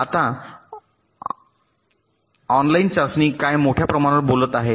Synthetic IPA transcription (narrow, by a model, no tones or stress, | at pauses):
at̪a | ɔnlaint͡ɕasniːkajmoʈʰjapɾəmaɽ̃əɾbolət̪aɦe